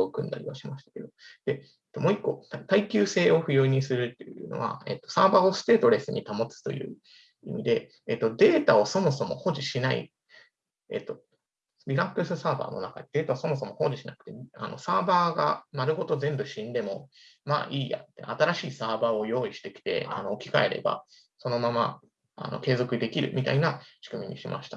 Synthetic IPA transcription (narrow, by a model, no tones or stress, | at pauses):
okɯ̟̃nd̪a̰ɾʲiβaɕimaɕi̥t̪ḁke̞d̪o̞d̪̥e̞ | et̪ːo̞mo̞ːikːo̞t̪t̪aikʲɨːse̞ːo̞ɸɯ̟jo̞ːɲ̟isɨɾɯ̟t̪ːejɯɯ̟no̞̰βa̰ḛt̪ːo̞̥saːbaːo̞sɨ̥t̪e̞ːt̪o̞ɾe̞sɨɲ̟it̪amo̞t͡sɨ̥t̪o̞̰jɯ̟̰ː | ḭmʲid̪e̞ː | t̪ːo̞d̪e̞ːt̪ao̞so̞mo̞so̞mo̞ho̞ːʑiɕinaḭ | ḛt̪ːo̞ | bʲiɾakːɯ̟sɨsaːba̰ːno̞̰nakad̪ed̪e̞ːt̪aoso̞mo̞so̞mo̞ho̞ːʑiɕinakɯ̥t̪e̞a̰no̞̰saːbaːɡa̰maɾɯ̟ɦo̞t̪o̞zẽ̞mbɯ̟ɕĩnd̪e̞mo̞ | ma̰ːʔiːja̰t̪ːeat̪aɾaɕiːsaːbaːo̞jo̞ːiɕi̥t̪e̞kʲi̥t̪e̞̰a̰no̞ːkʲi̥kae̞ɾʔe̞̰ba̰ | so̞no̞mama̰ | a̰no̞̰ke̞ːzo̞kɯ̟d̪e̞kʲiɾɯ̟̰mʲit̪a̰inaɕi̥kɯ̟mʲiɲ̟iɕimʔa̰ɕi̥t̪a